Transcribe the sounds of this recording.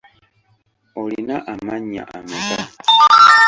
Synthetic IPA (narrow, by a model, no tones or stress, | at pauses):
olinaʔamaɲa̰ʔameba